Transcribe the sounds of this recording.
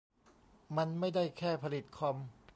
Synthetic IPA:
ma˧nma˥˩jda˥˩jkʰɛː˥˩pʰa˧li˨˩t̪̚kʰɔ˧m

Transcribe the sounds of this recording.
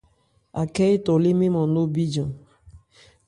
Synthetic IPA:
a̰˨kɛ˦i˦tɔ˨li˦mi˦mɔ˨no˦bi˦d͡ʒɔ̃˨

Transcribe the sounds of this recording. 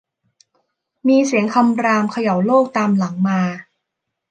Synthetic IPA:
miː˧si˩˦əŋkʰa˧mɾaː˧mkʰa˧ja˨˩˦wloː˥˩k̚t̪aː˧mla˩˦ŋmaː˧

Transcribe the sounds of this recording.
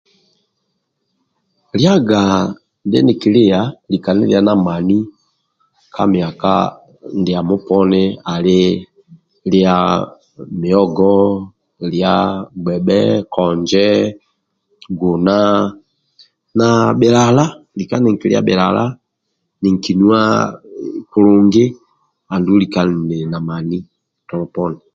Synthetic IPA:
lja˦ɡa˨ | ndɪ̰˦ni˨ki˨lɪ˦ja˨li˨ka˨nḭ˦lja˦na˨ma˨ni˦ | kʰa̰˦mi˨a˨ka̰˦ | ndɪ˨a˨mu˦pɔ˦nɪ˦a˨lɪ˦ | li˦a˨ | mi˨ɔ˦ɡɔ˦ | lja˦ɡ͡bɛ˨ɓɛ˦kʰɔ˨ɲd͡ʒɛ˦ | ɡo˨na˦ | na˨ɓɛ˨la˨la˦li˨ka˦nɪ˨ŋ̩˨ki˨lja̰˦ɓɛ˨la̰˨la̰˦ | nɪ˨ŋ̩˨ki˨nu˦a̰˦ | ku˨ɾʊ˨ŋɡɪ˦ | a˨ndu˦li˨ka˦n˨nɪ˨na˨ma˨ni˦˨ | tɔ˨lɔ˨pɔ˦nɪ˨

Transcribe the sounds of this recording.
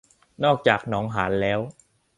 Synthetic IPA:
nɔː˥˩k̚t͡ɕaː˨˩k̚nɔː˦˥ŋɦaː˩˦nlɛː˦˥w

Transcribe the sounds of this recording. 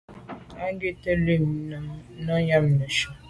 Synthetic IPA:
a˦ŋ˦ɡe˦te˦le˦˨m˨˦nɔ˦ɲa˦m̩˨no˨ʃo˦

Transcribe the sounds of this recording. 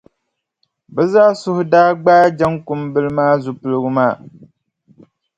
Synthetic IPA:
bɛ˦zaː˦sʊ˦hʊ˦daː˦ɡ͡baː˦d͡ʒa˦ŋkʊ˨mbɨ˦lɨ˦maː˦zu˨pɨ˦lɨ˦ɡɨ˦maː˦˨

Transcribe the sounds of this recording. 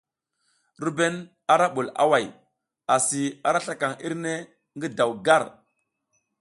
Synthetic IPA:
ɾu˦be˦n | a˨ɾa˦ɓu˨la̰˦wa˨j | a˨si˨a˨ɾa˦ɬa˦ka˨ŋi˦ɾne˦ | ŋɡi˦da˨wɡa˦˨ɾ

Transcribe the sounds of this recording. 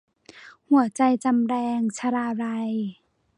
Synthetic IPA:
hu˨˩˦ɐt͡ɕa˧jt͡ɕa˧mɾɛː˧ŋt͡ɕʰa˧ɾaː˧ɾa˧j

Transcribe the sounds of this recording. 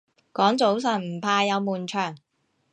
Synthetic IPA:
kɔː˨˥ŋt͡so˨˥wsɐ˨˩nm̩˨˩pʰaː˧jɐ˨˧wmuː˨˩nt͡ʃʰœː˨˩ŋ

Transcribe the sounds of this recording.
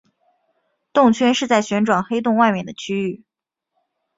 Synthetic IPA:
t̪ʊ˥˩ŋt͡ɕʰɥɛ˥nʂɻ̩˥˧t͡sa˥˩ɪɕɥɛ˧˥nʈ͡ʂwa˨˩nxe˥ɪt̪̬ʊ˥˧ŋwa˥˧ɪmɥɛ˨˩nd̪ə˦t͡ɕʰy˥y˥˩

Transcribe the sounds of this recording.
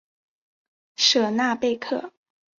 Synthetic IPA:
ʂɤ˨˩na˥˧pe˥˧ɪkʰɤ˥˩

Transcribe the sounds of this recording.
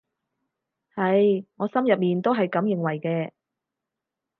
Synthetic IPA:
hɐ˨˧jŋɔː˨˧sɐ˥mjɐ˨p̚miː˨nt̪o˥wɦɐ˨jkɐ˨˥mjɪ˨ŋwɐ˨˩jkɛː˧

